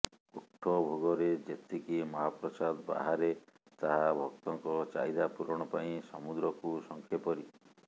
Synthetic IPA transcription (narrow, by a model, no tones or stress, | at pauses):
uʈʰːɔbʱoɡɔɾed͡ʒet̪ikimɔɦapɾɔsad̪ba̰ɦaɾe | t̪aɦabʱɔk̚t̪ɔŋkɔt͡ʃa̰jd̪apuɾɔɽ̃ɔpaĩsɔmud̪ɾɔkusɔŋkʰjepɔɾi